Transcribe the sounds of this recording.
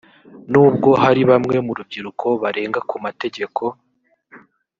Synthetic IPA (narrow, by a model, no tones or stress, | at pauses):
nuːb̚ɡo̞ɦaɾiβamŋe̞muɾub̚ɟiɾukʰo̞βaɾe̞ːŋɡakumate̞ɟe̞kʰo̞